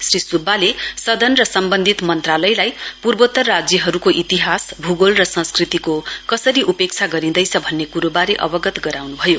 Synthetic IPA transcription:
srisubːalesʌd̪ʱʌnrʌsʌmbʌnd̪ʱit̪mʌnt̪ralʌjlajpurbot̪ːʌrːad͡zjʌɦʌɾukoʔit̪iɦasbʱuɡolrʌsʌ̃nskrit̪ikokʌsʌɾiʔupek̚t͡sʰaɡʌɾĩnd̪ʌjt͡sʰʌbʱʌnːekuɾobaɾeʔʌ̰bʌɡʌt̪ɡʌɾawnubʱʌjo

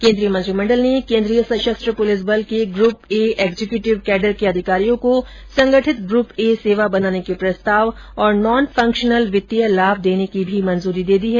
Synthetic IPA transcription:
kẽːnd̪ɾijəmɐ̃nt̪ɾimɐ̃ɳɖəlnekẽːnd̪ɾijəsɐʃəst̪ɾəpoːlɪs̬bəlkeɡɾuːpeeːɡzekjuːʈɪʋkɛːɖəɾkeɐd̪ʱɪkaːɾijõko | sɐ̃ŋɡəʈʰɪt̪ɡɾuːpeseːʋabɐnaːnekepɾɐst̪aːʋ | ɔːɾnɔːnfʰɐ̃ŋkʃənəlʋɪt̪ːijəlaːb̚ʱd̪eːnekibʱimɐ̃nzuːɾid̪eːd̪iɦɛː

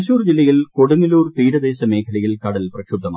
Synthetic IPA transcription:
ɕuːrd͡ʑilːɐjilkoɽuniluːrt̪iːɾɐd̪eːɕɐmeːkʰɐɭɐjilkɐɽɐlprɐkʂud̪ɐma̰

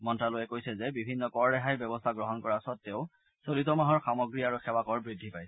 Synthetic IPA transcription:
mɔntɹalojɛkojsɛzɛbibʱinːɔkɔɹːɛɦajbjɔbɔstʰaɡɹɔɦɔnkɔɹaɔsɔtːeʊ | solitɔmaɦɔɹxamɔɡɹiaɹuxɛwakɔɹbɹidʱːipajs

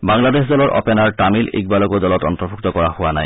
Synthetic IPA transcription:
baŋlades̬dɔlɔɹʔɔ̰pɛnaɹʈamilḭk̚balɔkodɔlɔtɔ̰ntɔbʰʱuktɔkɔɹahʊwanaj

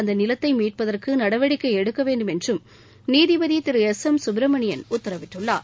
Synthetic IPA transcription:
ɐnd̪ɐnɪlɐt̪ːɐɪmiːʈ̚pɐðɐrkɯnɐɽɐʋɐɽɪkːɐɪɛɽɯkːɐʋeːɳɖɯmɛndrɯm | niːðɪʋɐðit̪ɪɾɯɛsɐmsʊbɾɐmɐɳɪjɐnʊt̪ːɐɾɐʋɪʈːɯɭːaː

